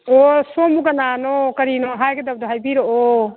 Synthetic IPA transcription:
ɔsɔmuɡananɔkɐɾinɔɦajɡedab̚doɦajbiɾɔʔɔ

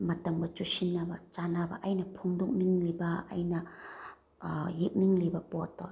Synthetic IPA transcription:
mɐtɐŋbɐt͡ʃusinːabɐt͡ʃanabɐ̰ʔajnɐpʰuŋduk̚niŋliba̰ːjnɐ | jik̚niŋlibɐpɔtːɔj

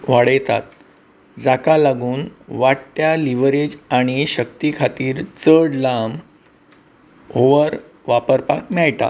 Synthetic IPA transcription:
ʋaɽəjt̪a̰t̪̚ | d͡zakalaɡuːnʋaʈt̪jaliʋɾed͡ʑaɽ̃iɕək̚t̪ikʰat̪iːɾt͡səɽlam | ɦoʋəɾ | ʋapəɾpak̚mɛɭʈ̪a̰

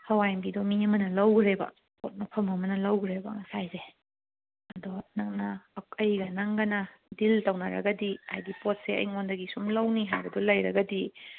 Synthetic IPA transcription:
hɐwajmbidɔmiɐmɐnɐlɐwɡɾebɐ̰ | po̰t̚mɐpʰɐmɐmɐnɐlɐwɡɾebɐ̰ŋɐsajze | ɐdonɐk̚nɐɐjɡɐnaŋɡɐnɐdiltɐwnaɾɐ̰ɡɐdia̰jɡipot̚seɐ̰jŋondɐɡisumlɐwniɦajbɐdɔlɐjɾɐɡɐdi

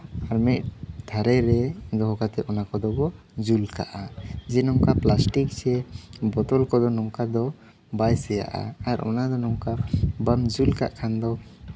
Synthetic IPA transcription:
aɾmit̪̚t̪ʰaɾɛɾɛd̪ɔɦɔkat̪ɛɔnakɔd̪ɔbɔ | d͡ʒulka̰ʔad͡ʒɛnɔŋkaplasʈik̚sɛbɔt̪ɔlkɔd̪ɔnɔŋkad̪ɔ | bajsɛja̰ʔa̰aɾʔɔ̰nad̪ɔnɔŋkabamd͡ʒulka̰ʔkʰand̪ɔ

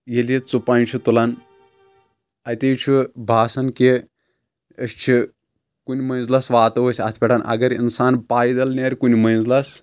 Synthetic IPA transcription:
jelit͡supãːnt͡ʃʰut̪ulan | ɐt̪ejt͡ʃʰubʱaːsɐnke | əst͡ʃʰi | kunʲmɐjnzlasʋaːt̪ɐʋəsʲɐ̰t̪ʰpʲɛʈɐnʔɐ̰ɡɐɾḭnsaːnpaːjd̪ɐlnʲeɾʲkunʲimɐj̃nzlas

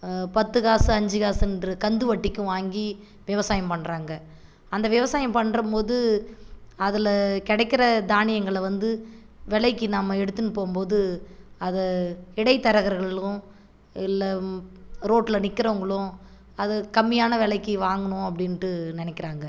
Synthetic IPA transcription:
pɐt̪ːɯɣaːsɯɐɲd͡ʒɯɣaːsɛndrɯkɐnd̪ɯʋɐʈːɪkʲːɯ̃ʋaːŋɡi | ʋɪʋɐsaːjɐmpɐɳːɾaːŋɡɐ | ɐnd̪ɐʋɪʋɐsaːjɐmpɐɳːɾɐmpoːðɯ | ɐðɪlkɪɽɛɪkːɪɾɐd̪aːnɪjɐŋɡɐɭʋɐnd̪ɯ | ʋɛɭɐɪkːɯnaːmːɐɛɽɯt̪ːɯnːɯpoːmpoːðɯɐðɐɪɽɐɪt̪ːɐɾɐɣɐɾɣɐɭɭʊ̃ | ɪlːɐ | ɾoːʈːɪlɐnɪkːɪɾɐʋʊŋɡɐɭʊ̃ | ɐðɯkɐmːɪjaːnɐʋɛɭɐɪkːɯʋaːŋɡɐnʊ̃ɐp̬ːɐɽɪnʈːɯnɪnɛkːɪɾaːŋɡɐ

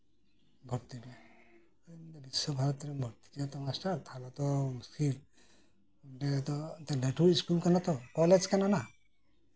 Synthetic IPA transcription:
ɡʱɔɾt̪ide | bisɔbʱaɾɔt̪ɾɛɡʱɔɾt̪i̥dɛt̪ɔmasʈaɾt̪ʰalɔt̪ɔmuskil | ʈet̪ɔt̪eleʈuɾiskulkanat̪ɔkɔled͡ʒkanana

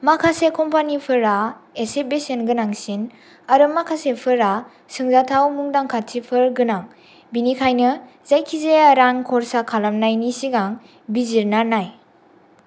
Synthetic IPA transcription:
makʰasekʰɔmpʰanipʰɯɾaesebesenɡɯnaŋsin | aɾɯmakʰasepʰɯɾa | sɯŋzatʰawmuŋdaŋkʰatʰipʰɯɾɡɯnaŋ | binikʰajnɯ | zajkʰizeaɾaŋkʰɔɾsakʰalamnajnisiɡaŋ | biziɾnanaj

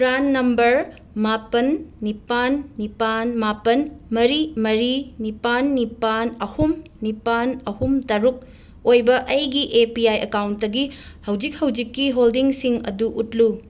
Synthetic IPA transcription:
pɾanːɐmbɐɾ | mapɐnːipanːipanmapɐnmɐɾimɐɾinipanːipanɐhumnipanɐhumtɐɾuk̚ | ojbɐʔɐjɡiʔepiajɐkawntdɐɡihɐwd͡ʒik̚hɐwd͡ʒikːiɦoldiŋsiŋɐ̰duʔutlu

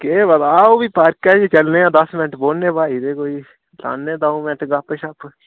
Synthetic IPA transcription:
keːbəd̪aːoːbiːpaːɾkɛːd͡ʒet͡ʃəlnẽːãːd̪əsmɪnəʈboːnnẽːbaːiːd̪eːkoːiː | la̰ːnːeːd̪aːũːmɪʈɡapəʃap

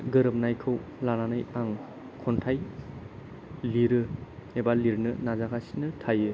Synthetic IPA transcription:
ɡɯɾɯp̚najkʰɯw | lananɯjaŋ | kʰɔntʰaj | liɾɯebaliɾnɯnazakasinɯtʰajɯ

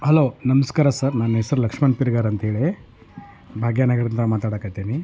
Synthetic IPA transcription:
hɐloːnɐmɐskaːɾasɐɾnaːnɦesɐɾlɐkʂmaːnpiɾɡaːɾɐnt̪ɐɦeːɭi | bʱaːɡjaːnaːɡɐɾɐnt̪ɐɾɐmaːt̪aːɽakajt̪eːni

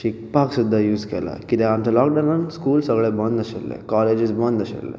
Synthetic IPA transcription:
ʃik̚paksud̪ʱːajuːzkḛla̰kit̪eamtəlɔːkɖənənskuːlsəɡɭebənd̪əsḛlːḛkɔːleːd͡ʒizbə̃nd̪əsḛlːḛ

